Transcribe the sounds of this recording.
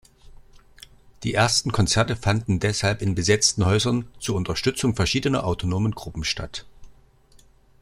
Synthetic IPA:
d̥iːʔeːɐstn̩kʰɔnt͡sɛɐtəfandn̩dɛshalpɪnbəzɛt͡stn̩hɔʏzɐnt͡suːɐʊntɐʃtʏt͡sʊŋfɛɐʃiːdənɐ̰ʔaʊtʰonoːmənɡʁʊpm̩ʃta̰t

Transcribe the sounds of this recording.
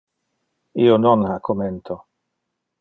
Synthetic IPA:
iononhakʰoment̪ʰo

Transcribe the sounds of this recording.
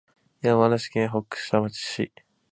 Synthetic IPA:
iamanaɕi̥kẽɰɦokːɯ̥ɕi̥t̪amat͡ɕi̥ɕḭ

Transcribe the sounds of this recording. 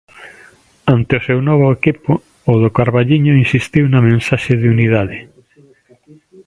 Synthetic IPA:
ant̪eosewnɔβ̞ʊekipoː | ðokaɾβaʎiɲoinsist̪iwnamẽnsaʃeðeuniðaðe

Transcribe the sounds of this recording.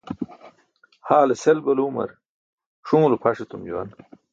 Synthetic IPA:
haːleselbɐluːmɐ̰ɾ | ʂũːlupʰɐʂet̪umd͡ʑuwɐ̰n

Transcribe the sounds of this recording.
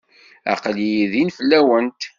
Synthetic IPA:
ɑ̰qlijiðinfəlːæwənt̪

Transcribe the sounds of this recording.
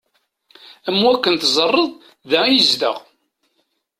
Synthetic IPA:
æmwækːənt̪zˤərˤːəðˤ | ðæjəzd̪ə̰ʁ

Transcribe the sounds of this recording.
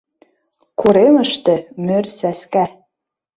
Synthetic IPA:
kʰuɾemə̆ʃt̪ĕmørsæskæ

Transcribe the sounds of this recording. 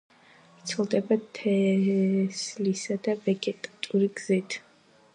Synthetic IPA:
t̪sʰlˠd̪ɛbat̪ʰɛ | slisad̪avɛɡɛt̪ʼat̪ʼuɾiɡz̥it̪ʰ

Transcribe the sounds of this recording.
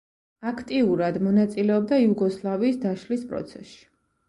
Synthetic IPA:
akʰt̪ʼiuɾad̪mɔnat̪sʼilɛɔb̚d̪aiuɡɔslˠaviːsd̪aʃlispʼɾɔ̰t̪sʰɛ̰sʃi̥

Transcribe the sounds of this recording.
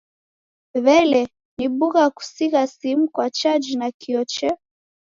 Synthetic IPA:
βɛlɛ | niɓuɣaku̥siɣasimukwat͡ʃad͡ʒinakiɔt͡ʃɛ

